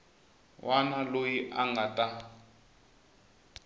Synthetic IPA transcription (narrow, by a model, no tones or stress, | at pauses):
wʔanalojiʔaŋɡatʼa